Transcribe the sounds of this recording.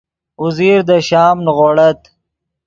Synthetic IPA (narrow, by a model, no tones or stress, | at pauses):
ʊziɾd̪əʃɑːmnɣoɽɐt̪